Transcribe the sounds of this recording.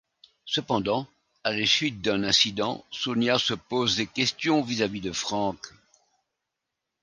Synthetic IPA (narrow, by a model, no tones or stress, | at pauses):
səpɑ̃d̪ɑ̃ | alesɥit̪̚d̪ɛ̃nɛ̃sid̪ɑ̰̃sonjasəpozd̪ekʲɛst̪jɔ̃vizavid̪əfχɑ̃k